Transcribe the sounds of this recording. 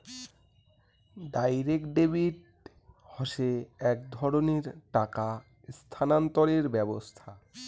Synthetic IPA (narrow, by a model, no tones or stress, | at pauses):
ɖajɾekɖeβiʈ | hɔʃeɛk̚d̪ʱɔɾoneɾʈaka | st̪ʰanant̪oɾeɾbɛbost̪ʰa